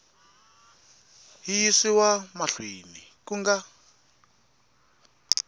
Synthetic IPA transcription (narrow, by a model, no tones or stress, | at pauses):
ɦijisiwamaɬwinikuŋɡa